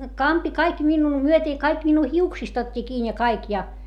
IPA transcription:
kɑmpi kɑik minːuː myøte jɑ kɑik minːuː hiuksist otʲːi kiːn jɑ kɑik jɑ

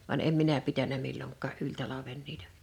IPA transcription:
ʋɑn em minæ pitænæ milːoŋkˑɑːʔ ʔylʲ tɑlɑʋen niːtæ̥

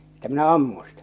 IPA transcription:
etːæ minæ ɑmːũː si̥tæ̥

